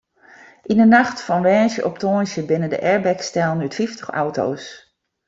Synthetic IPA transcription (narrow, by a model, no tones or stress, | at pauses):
ʔinənaxtfɔnʋɛːnʃjəʔɔptoːnʃjəbɪnəndə̰ʔɛɹbɛkstɛlˠnytfiftəxa̰wto̰ws